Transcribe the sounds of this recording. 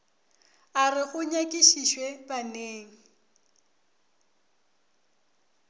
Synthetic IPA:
arɪɣʊɲakʼiʃiʃwɛbaneːŋ̩

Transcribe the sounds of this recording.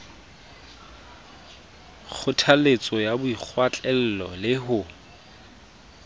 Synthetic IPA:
k͡xʰʊtʰalet͡sʼɔjabʊik͡xʰwat͡ɬʼɛl̩lɔlɪɦʊ

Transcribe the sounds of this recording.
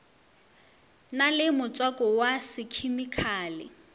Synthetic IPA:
nalɪmʊt͡sʼwakʼɔwasɪkʰimikʰaːlɪ̰

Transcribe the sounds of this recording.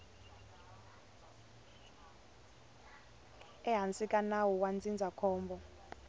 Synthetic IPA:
ɛɦant͡sʼikʼanawɔwand͡zʱind͡zʱakʰɔːmbʱɔ

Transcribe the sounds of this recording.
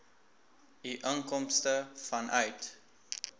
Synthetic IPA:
iʔəŋkɔmstəfɐnʔœɥt

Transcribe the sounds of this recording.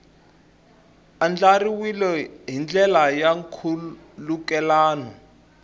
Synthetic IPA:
and͡ɮariwilɛɦind͡ɮɛlajaŋkʰu | lukɛlaːnɔ

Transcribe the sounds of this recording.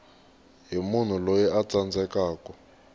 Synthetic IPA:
ɦimun̤ulojɛat͡sand͡zʱɛkaːkɔ

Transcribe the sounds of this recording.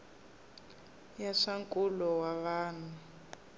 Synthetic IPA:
jaʂaŋkʼulɔwaβaːn̤u

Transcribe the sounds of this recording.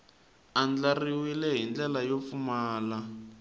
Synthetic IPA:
and͡ɮariwilɛɦind͡ɮɛlajofumaːla

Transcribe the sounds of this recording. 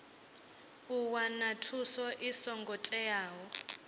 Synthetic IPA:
uwanatʰusɔʔisɔŋɡɔtʼɛjaːwɔ

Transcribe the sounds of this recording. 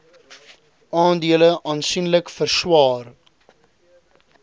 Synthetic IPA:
ʔɑːndiələʔɑːnsinləkfərswɑːr

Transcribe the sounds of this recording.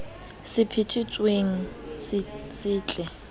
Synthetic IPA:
sɪpʰɪtʰɪt͡sʼweŋ̩ssɪːt͡ɬʼɛ

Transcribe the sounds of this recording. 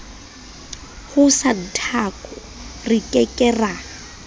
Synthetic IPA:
hʊsan̩tʰakʼɔ | rikʼɛkʼɛra

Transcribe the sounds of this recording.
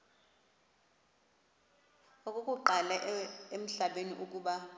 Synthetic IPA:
okʼukʼuǃalaem̩ɬaɓeniʔukʼuːɓa

